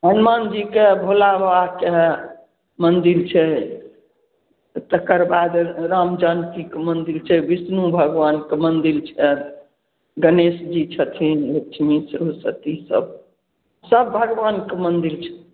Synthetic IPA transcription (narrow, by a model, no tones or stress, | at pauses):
ɦənmand͡ʒikebʱolabake | mənd̪iɾt͡ʃʰɛ | t̪əkəɾbad̪ɾamd͡ʒank̪ikemənd̪ilt͡ʃʰɛbisnubʱəɡʋankemənd̪ilt͡ʃʰɛ | ɡənesd͡ʒit͡ʃʰət̪ʰinlet͡ʃʰimisɾusə̰t̪isə̰b̚ | səbːʱəɡʋankemənd̪iɾt͡ʃʰɛ̥